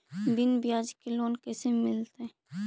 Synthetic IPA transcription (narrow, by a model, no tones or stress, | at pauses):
d̪ɪnbijaːd͡ʒkeloːnkesemɪlt̪e